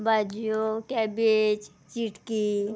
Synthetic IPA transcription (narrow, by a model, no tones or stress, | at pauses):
bad͡ʒijokɛbet͡ʃ | t͡ʃiʈki